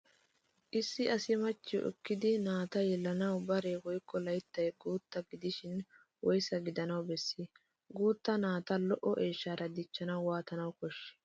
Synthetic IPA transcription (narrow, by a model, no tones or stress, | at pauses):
ʔɪsːɪɐsɪmɐt͡ʃːɪ̰ʔɛ̰kːɪd̪ɪnaːt̪ɐjɛlːɐnɐwbɐɾewɔjkʰːɔlɐjt̪ːɐjɡuːt̪ːɐɡɪd̪ɪʃɪn | wɔjsɐɡɪd̪ɐnɐwbɛsːi | ɡuːt̪ːɐnaːt̪ɐlɔʔɔʔeːʃːaːɾɐd̪ɪt͡ʃːɐnɐwwaːt̪ɐnɐwkɔʃːɛ̥